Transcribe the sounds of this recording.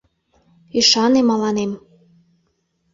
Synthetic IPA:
iʃɑnemɑlɑnem

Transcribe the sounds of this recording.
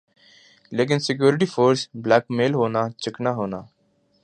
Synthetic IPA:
leːk̬ɪnsɪk̬juːɾɪʈ̬iːfʰoːɾsblaːkmeːlɦoːnaːt͡ʃəknaːɦoːnaː

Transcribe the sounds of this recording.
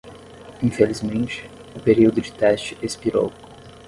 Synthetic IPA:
ĩfelizmẽnt͡ʃɪ̥ | ʊpeɾiwd̪ʊd͡ʒɪt̪ɛst͡ʃɪespiɾo̰w

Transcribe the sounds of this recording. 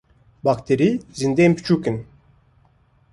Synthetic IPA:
bakt̪ʰeɾizind̪empi̥t͡ʃukin

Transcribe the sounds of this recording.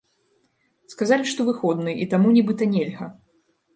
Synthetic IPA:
skazalʲiʂt̪ɔvɨxɔd̪nɨit̪amunʲibɨt̪ɐnʲɛlʲɣɐ

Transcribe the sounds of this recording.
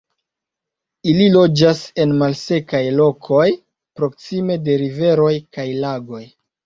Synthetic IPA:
ililo̞d͡ʒase̞nmalse̞kajlo̞kʰo̞j | pɾo̞ksime̞de̞ɾive̞ɾo̞jkajlaɡo̞j

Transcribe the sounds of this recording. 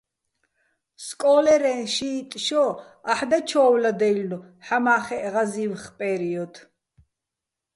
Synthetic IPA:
skʼɔːlɛɾɛnʃiːt̪ʼʃɔ | aħd̪at͡ʃʰɔːwlad̪ɛlnu | ħamaːχɛʔʁaziːwχpʼɛɾiɔd̪

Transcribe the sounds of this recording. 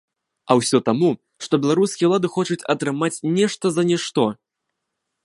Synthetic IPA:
ɐwsʲɔt̪amu | ʂt̪ɔbʲɛlˠaɾuskʲijɐwlˠad̪ɨxɔt͡ʂut͡sʲɐt̪ɾɨmat͡sʲnʲɛʂt̪ɐzɐnʲɛʂt̪ɔ

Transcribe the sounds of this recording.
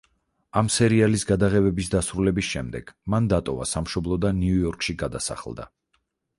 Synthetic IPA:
amsɛɾialisɡad̪aʁɛvɛbisd̪asɾulɛbisʃɛmd̪ɛɡ̥mand̪at̪ʼɔva̰samʃɔblˠɔd̪aniujɔɾkʼʃiɡad̪asa̰χlˠd̪a̰

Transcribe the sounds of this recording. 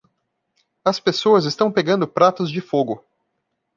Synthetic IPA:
ɐspesoɐzɪst̪ɐ̃w̃peɡɐ̃nd̪ʊpɾat̪ʊzd͡ʒɪfoɡʊ

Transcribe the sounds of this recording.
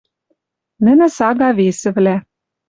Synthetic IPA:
nɘ̆nɘ̆sɑɣɑβesɘ̆βlæ

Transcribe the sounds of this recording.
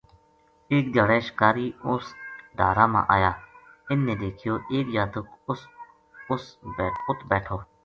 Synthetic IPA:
eːkd̪jaːɽeːʃkaːɾiːʊsɖaːɾaːmã̰ːʔaːjaː | ɪnːẽːd̪eːkʰɪjoːʔeːkjaːt̪ʊk | ʊsːʊt̪ʰbɛːʈʰoː

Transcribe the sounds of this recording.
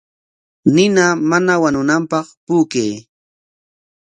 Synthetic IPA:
nɪnamanawanʊnampɑχpuːkej

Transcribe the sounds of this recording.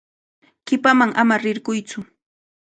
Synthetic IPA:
ɢɪpamaŋamaɾɪɾɢʊjt͡sʊ

